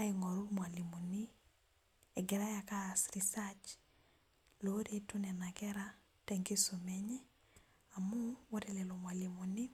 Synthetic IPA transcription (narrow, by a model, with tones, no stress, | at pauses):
a˦iŋɔ˨ɾu˦mwa˨li˨mu˨ni | ɛɡɛ˨ɾa˦jakasɾisat͡ʃ | lo˦ɾe˦tu˦nɛ˨na˨kɛɾa | tɛŋɡi˦so˨mɛɲɛ˦ | amuwɔ˦ɾɛlɛlo˨mwali˨mu˨ni˦